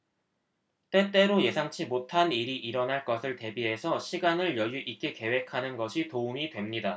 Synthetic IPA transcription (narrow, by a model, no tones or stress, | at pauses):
t͈e̞t͈e̞ɾoje̞sʰaŋt͡ɕʰimotʰaniɾiʔiɾʌnɦaɭk͈ʌsʰɯɭte̞biɦe̞sʰʌɕʰiɡanɯɭjʌjuʔik͈e̞ke̞we̞kʰanɯnɡʌɕʰitoumidwe̞mɲida